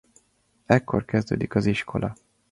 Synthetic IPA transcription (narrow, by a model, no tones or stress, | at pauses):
ɛkːo̞rkɛzd̪øːd̪ikɒziʃkʰo̞lʔɒ